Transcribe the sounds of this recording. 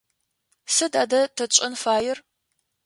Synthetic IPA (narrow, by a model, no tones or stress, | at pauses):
sɨdaːdɐtʰɐt͡ʃʼɐnfaːjɪr